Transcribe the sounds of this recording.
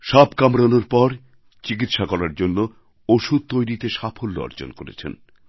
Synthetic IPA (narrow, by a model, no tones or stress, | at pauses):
ʃabkamɾonoɾpɔɾ | t͡ɕik̬it̪ʃakɔɾaɾd͡ʑonːo | oʃud̪̚t̪ojɾit̪eʃapʰolːo̰ɔ̰ɾd͡ʑo̰nkoɾḛt͡ɕʰḛn